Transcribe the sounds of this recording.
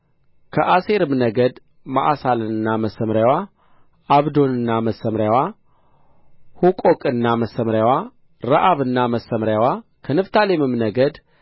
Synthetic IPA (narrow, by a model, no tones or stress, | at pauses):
kʰəʔase̞ɾɨmnəɡəd̪ | ma̰ʔasalɨnːaməsəmɾjawa | aβd̪o̞nɨnːaməsəmɾjawa | hukʼokʼɨnːaməsəmɾjawa | ɾaʔaβɨnːaməsːəmɾjawakʰənɨft̪ʰalemɨmnəɡəd̪